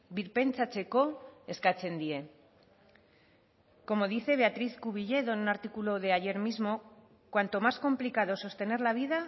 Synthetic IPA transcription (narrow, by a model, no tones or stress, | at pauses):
biɾpe̞nt͡sat͡se̞ko̞eskat͡se̞nd̪ie̞ | ko̞mo̞ð̞iθe̞β̞e̞at̪ɾiθkuβ̞iʎe̞ðonunaɾt̪ikulo̞ð̞e̞aʝe̞ɾmizmo̞ | kwant̪o̞masko̞mplikað̞o̞so̞st̪e̞ne̞ɾlaβ̞iða